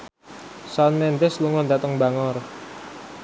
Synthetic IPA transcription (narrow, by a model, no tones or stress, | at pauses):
sɔnmɛnd̪ɪsluŋɔnd̪at̪əŋbaŋɔr